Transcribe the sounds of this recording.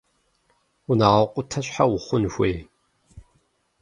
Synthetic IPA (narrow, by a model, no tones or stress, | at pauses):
ʊnaːʁɐqʷʼʊtʰɐɕʼħawʊχʷʊnxʷeːj